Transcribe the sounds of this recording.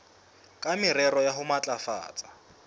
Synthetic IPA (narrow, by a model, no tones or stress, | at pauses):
kʼamɪɾɛrɔjaɦʊmat͡ɬʼafa̰ːt͡sʼḁ